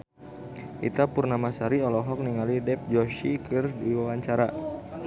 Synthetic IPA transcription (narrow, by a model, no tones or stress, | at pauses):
ʔḭt̪apurnamasaɾiɔlɔɦɔk̚niŋalidɛp̚d͡ʒɔʃikɨrdiwawaɲt͡ʃaɾa